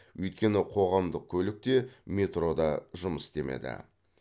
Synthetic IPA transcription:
wɵjt̪̚kʲe̞nɪqʰo̞ʁɑmd̪əq̚kʲʰɵlɪk̚t̪e̞mʲe̞t̪ro̞d̪ɑʒʊməst̪e̞me̞̰d̪ɪ̰

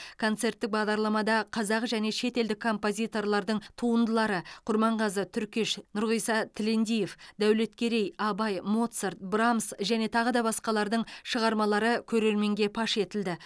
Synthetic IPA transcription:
kʰo̞nt̪se̞rt̪ːɪk̚bɑʁd̪ɑɾlˠɑmɑd̪ɑqʰɑzɑqʒæne̞ʃe̞t̪e̞ld̪ɪkʰːo̞mpo̞zʲijt̪o̞rlˠɑɾd̪əɴt̪ʰuənd̪əlˠɑɾəqʰʊɾmɑɴʁɑzət̪ʰʏɾkʲeʃnʊɾʁəjsɑt̪ʰɪle̞nd̪ije̞fd̪æwle̞t̪kʲʰe̞ɾe̞jɑbɑjmo̞t̪sert̪̚bramsʒæne̞t̪ʰɑʁəd̪ɑbɑsqɑlˠɑɾd̪əɴʃəʁɑɾmɑlˠɑɾəkʲʰɵɾe̞ɾme̞ŋɡʲe̞pʰɑʃe̞t̪ɪld̪ɪ

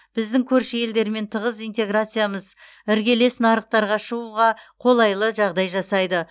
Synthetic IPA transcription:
b̥ɪzd̪ɪŋkʲʰɵɾʃəje̞ld̪e̞ɾme̞nt̪ʰəʁəzijnt̪e̞ɡrat̪sɨjaməz | ɪɾɡʲe̞le̞snɑɾəq̚t̪ɑɾʁɑʃəuʁɑqʰo̞lˠɑjlˠəʒɑʁd̪ɑjʒɑsɑjd̪ə

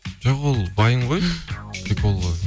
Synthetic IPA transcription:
ʒoqolˠbɑjəɴʁojʲʰek̚bolˠd̪ə

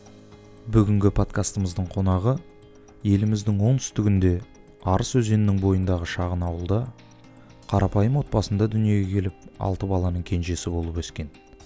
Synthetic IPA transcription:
bʏɡʲɪŋɡʲɪpʰo̞t̪kast̪əməzd̪əɴqʰo̞nɑʁə | je̞lɪmɪzd̪ɪŋwo̞nt̪ʰʏ̥st̪ɪɡʲɪnd̪e̞ | ɑɾəswɵze̞nɪnɪŋbo̞jənd̪ɑʁəʃɑʁənɑwəlˠd̪ɑ | qʰɑɾɑpɑjəmwo̞t̪̚pɑsənd̪ɑd̪ʏnije̞ɡʲekʲʰe̞lɪp̚ɑ̰lˠt̪əbɑlˠɑnəɴkʲʰe̞nʒe̞sɪbo̞lˠəpɵskʲe̞n

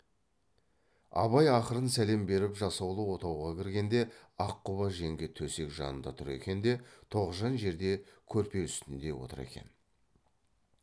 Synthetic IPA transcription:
ɑ̰βɑjɑqəɾənsæle̞mbe̞ɾɪpʒɑsɑwlˠəwo̞t̪ɑwʁɑkʲʰɪɾɡʲe̞nd̪e̞ɑqːʊβɑʒe̞ŋɡʲet̪ʰɵse̞kʒɑ̰nənd̪ɑt̪ʰʊɾe̞̰kʲe̞nd̪e̞t̪ʰo̞ʁəzʒɑnʒe̞ɾd̪e̞kʲʰɵɾpe̞ʏst̪ɪnd̪e̞wo̞̰t̪əɾḛkʲe̞̰n

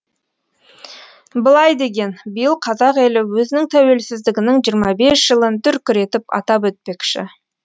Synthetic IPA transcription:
bəlˠɑjd̪e̞ɡʲe̞nbijəlˠqʰɑzɑqe̞lɪwɵzɪnɪŋt̪ʰæwe̞lsɪzd̪ɪɡʲɪnɪŋʒijəɾmɑbe̞sʒ̥əlˠənt̪ʏɾkʲʰʏɾe̞t̪ɪpɑ̰t̪ɑp̬wɵt̪̚pe̞kʃɪ̰

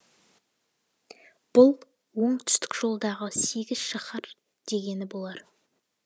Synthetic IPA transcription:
b̥ʊlˠ | wo̞ɴt̪ʰʏ̥st̪ɪ̥kʒ̥o̞lˠd̪ɑʁəse̞ɡʲɪz̥ʃɑχəɾ | d̪̥e̞ɡʲe̞nɪbo̞lˠɑɾ

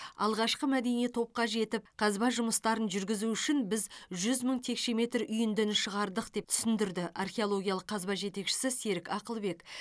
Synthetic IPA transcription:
ɑ̰lˠʁɑʃqəmæd̪e̞nijet̪ʰo̞p̚qɑʒe̞t̪ɪp̚qʰɑzbɑʒʊməst̪ɑɾənʒʏɾɡʲɪzuʏʃɪnbɪzʒʏzməɴt̪ʰe̞kʃe̞me̞t̪ɾʏjɪnd̪enʃəʁɑɾd̪əq̚d̪e̞p̚t̪ʰʏ̥sɪnd̪ɪɾd̪ɪʔarχʲeo̞lˠo̞ɡʲijalˠəqʰːɑzbɑʒe̞t̪e̞kʃɪ̥sɪse̞ɾɪkɑqəlˠbe̞k

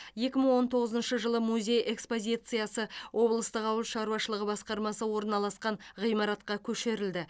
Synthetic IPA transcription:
je̞kʲɪməɴwo̞nt̪ʰo̞ʁəzənʃəʒəlˠəmuzʲe̞jʔe̞kspo̞zʲijt̪sɨjasəwʔo̞blˠəst̪əqɑwəlˠʃɑɾuɑʃəlˠəʁəbɑsqɑɾmɑsəwo̞ɾnɑlˠɑsqɑɴʁijmɑɾɑt̪̚qɑkʲʰɵʃe̞ɾɪld̪ɪ

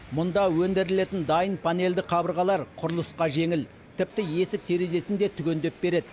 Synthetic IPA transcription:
mʊnd̪ɑwɵnd̪eɾɪle̞t̪ɪnd̪ɑjənpʰane̞ld̪ɪqʰɑbəɾʁɑlˠɑɾqʰʊɾlˠəsqɑʒe̞ŋɪl | t̪ʰɪp̚t̪ɪje̞sɪk̚t̪ʰe̞ɾe̞ze̞sɪnd̪e̞t̪ʰʏkʲe̞nd̪e̞p̚be̞ɾe̞d̪ɪ

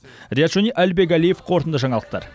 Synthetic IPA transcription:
ɾʲijat̪ʒoniʔælbek̬ælije̞fqʰo̞ɾt̪ənd̪əʒɑɴɑlˠəq̚t̪ɑ̰ɾ

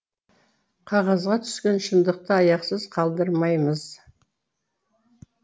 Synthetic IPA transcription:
qʰɑʁɑzʁɑt̪ʰʏ̥skʲe̞nʃənd̪əq̚t̪əɑjɑqsəzqʰɑlˠd̪əɾmɑjməz̥

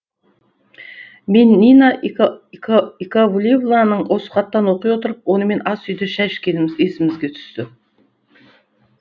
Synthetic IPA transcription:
menːina | ikavulʲevlˠanəɴwʔo̞sə̥qɑt̪ːɑnwo̞qijwo̞t̪əɾəp̚wo̞nəme̞nʔɑsʏjd̪ɪʃæʃkʲʰe̞lɪmɪzesɪmɪzɡʲe̞t̪ʰʏ̥st̪ɪ

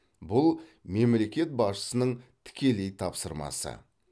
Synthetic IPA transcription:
bʊlˠme̞mle̞kʲe̞t̪̚bɑsʃə̥sənəɴt̪ʰɪ̥kʲe̞le̞jt̪ʰɑpsəɾmɑ̰sə̰

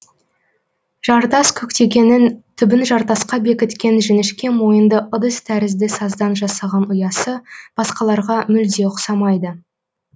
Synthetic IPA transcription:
ʒ̥ɑɾt̪ɑskʲʰɵkt̪e̞ɡʲe̞nɪnt̪ʰʏbɪnʒɑɾt̪ɑsqɑbe̞kʲɪt̪kʲe̞nʒɪnɪʃkʲe̞mo̞jənd̪əʔʊd̪əst̪ʰæɾɪzd̪ɪsɑzd̪ɑnʒɑsɑʁɑnʊjɑsəb̥ɑsqɑlˠɑɾʁɑmʏld̪e̞qsɑmɑjd̪ə

